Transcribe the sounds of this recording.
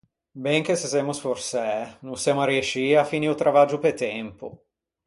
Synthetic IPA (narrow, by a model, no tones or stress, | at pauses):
bɛŋk̟esesemʊsforsɛnunsjamʊarieʃiafːiniut̪ɾʔavad͡ʒupet̪ɛmpʊ̰